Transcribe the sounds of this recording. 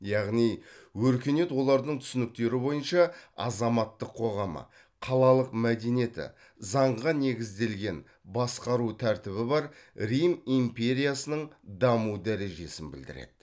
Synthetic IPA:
jɑʁnijwɵɾkʲe̞ne̞t̪wo̞lˠɑɾd̪əɴt̪ʰʏ̥sɪnɪk̚t̪e̞ɾɪbo̞jənʃɑɑ̰zɑmɑt̪ːəqʰːo̞ʁɑmə̰ | qʰɑlˠɑlˠəqmæd̪e̞nije̞t̪ɪ̰ | zɑɴʁɑne̞ɡʲɪzd̪e̞lɡʲe̞n | bɑsqɑɾut̪ʰæɾt̪ɪβɪbɑɾɾijmimpe̞ɾʲijasənəɴd̪ɑmud̪æɾe̞ʒe̞sɪnbɪ̰ld̪ɪ̰ɾḛd̪̥ɪ

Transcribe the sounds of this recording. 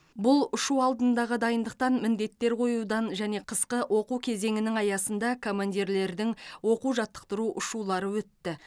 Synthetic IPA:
bʊlˠʊʃuɑlˠd̪ənd̪ɑʁəd̪ɑjənd̪əq̚t̪ɑnmɪnd̪e̞t̪ːe̞ɾqʰo̞jud̪ɑnʒæne̞qʰəsqəwʔo̞quwkʲʰe̞ze̞ŋɪnɪŋɑjɑsənd̪ɑkʰo̞mand̪ʲiɾle̞ɾd̪ɪŋwo̞quwʒɑt̪ːə̥qt̪əɾuʔʊʃulˠɑɾəwɵt̪ːɪ

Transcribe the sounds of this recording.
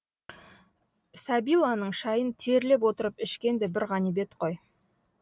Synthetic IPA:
sæbijlˠɑnəɴʃɑjənt̪ʰe̞ɾle̞p̬wot̪əɾəpɪʃkʲe̞nd̪ebɪɾʁɑnibe̞t̪qʰo̞j

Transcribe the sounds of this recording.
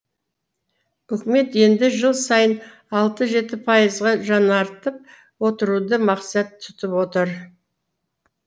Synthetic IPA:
ʏkʲɪme̞t̪je̞nd̪ɪʒəlˠsɑjən | ɑlˠt̪əʒe̞t̪ɪpʰɑjəzʁɑʒɑnɑɾt̪əp̚ | wo̞t̪əɾud̪əmɑqsɑt̪ʰːʏ̥t̪ɪpwo̞t̪əɾ

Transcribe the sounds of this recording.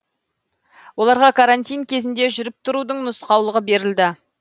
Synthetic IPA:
wo̞lˠɑɾʁɑkʰaɾant̪ʲijnkʲʰe̞zɪnd̪e̞ʒʏɾɪp̚t̪ʰʊɾud̪əɴnʊsqɑwlˠəʁəbe̞ɾɪld̪ɪ

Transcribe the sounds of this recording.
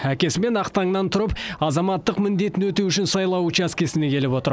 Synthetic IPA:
ækʲe̞sɪme̞nɑqt̪ɑɴnɑnt̪ʰʊɾəpɑzɑmɑt̪ːəqmɪnd̪e̞t̪ɪnwɵt̪ewʏʃɪnsɑjlˠɑwʊt͡ʃæskʲe̞sɪne̞kʲʰe̞lɪpwo̞t̪əɾ

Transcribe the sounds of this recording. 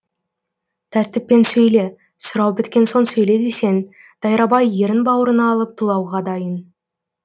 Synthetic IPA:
t̪ʰæɾt̪ɪpːe̞nsɵjle̞ | sʊɾɑwbɪt̪̚kʲe̞nso̞nsɵjled̪e̞se̞n | d̪̥ɑjɾɑbɑjːe̞ɾɪnbɑwəɾənɑːlˠəp̚t̪ʰulˠɑwʁɑd̪ɑjən

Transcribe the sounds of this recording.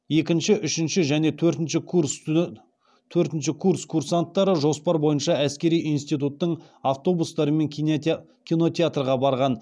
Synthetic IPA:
je̞kʲɪnʃɪʔʏʃɪnʃɪʒæne̞t̪ʰɵɾt̪ɪnʃɪkʰurs | t̪ʰɵɾt̪ɪnʃɪkʰurskʰursant̪ːɑɾəʒo̞spɑɾbo̞jənʃɑæskʲe̞ɾijijnst̪ijt̪ut̪ːəɴ | aft̪o̞bust̪ɑɾəme̞ŋ | kʲʰino̞t̪ʲeat̪rʁɑbɑɾʁɑn

